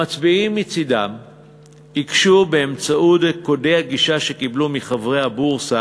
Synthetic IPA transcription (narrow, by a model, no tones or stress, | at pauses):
mat͡sbiimːit͡sidam | hikʃubeːmt͡saudeko̞de̞jhaɡiʃaʃe̞kiblumiχavʁejhabuʁsa